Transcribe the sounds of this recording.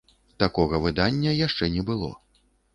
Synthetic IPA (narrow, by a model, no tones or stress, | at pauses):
t̪akɔɣɐvɨd̪anʲːɐjaʂt͡ʂɛnʲɛbɨlˠɔ̰